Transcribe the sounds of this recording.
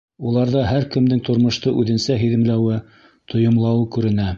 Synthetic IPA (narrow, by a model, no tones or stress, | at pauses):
ulˠɑɾðɑɦæɾkɘ̆md̪ɘŋt̪ŏɾmŏʃt̪ɤʔʉðɘ̆nsæɦiðɘ̆mlæwɘ | t̪ʰŏjŏmlˠɑwɤkʉɾɘ̆næ